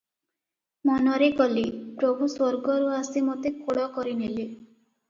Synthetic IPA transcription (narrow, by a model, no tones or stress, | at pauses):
mɔnɔɾekɔlipɾobʱuswɔɾɡɔɾuasimot̪ekoɭɔkɔɾinili